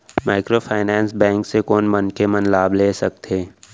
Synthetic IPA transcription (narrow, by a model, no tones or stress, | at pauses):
maːɪkɾoːfʰaːɪnɛ̃ːnsbɛ̃ːŋksekɔːnmənkemənlaːbleːsɐk̚t̪ʰeː